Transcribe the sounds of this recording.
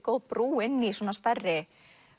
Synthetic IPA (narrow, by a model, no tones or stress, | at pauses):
kowpɾuːɪnːisɔːnast̪arːɪ